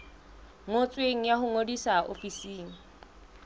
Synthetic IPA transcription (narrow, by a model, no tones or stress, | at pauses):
ŋot͡sʼweŋ̩jahʊŋodisaʔo̰fisiːŋ̩